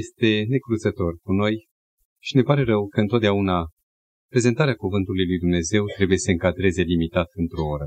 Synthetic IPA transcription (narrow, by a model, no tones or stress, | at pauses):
jest̪e̞ne̞kɾuzət̪o̞rkuno̞j | ʃine̞paɾe̞ɾəwkəɨnt̪ot̪d̪eauna | pɾe̞zent̪aɾeakuvɨnt̪ulujlujd̪umne̞ze̞wt̪ɾe̞buje̞səɨŋkad̪ɾe̞ze̞limit̪at̪ɨnt̪ɾo̞oɾə